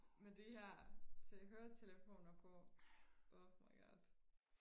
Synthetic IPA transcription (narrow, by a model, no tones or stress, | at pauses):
med̥ihæɐ̰t͡sʰeɦøːɐt͡sʰeləfo̝̰ːnɐpʰɔ̥̽ | ofmɑ̈ɪɡ̥ɒd̥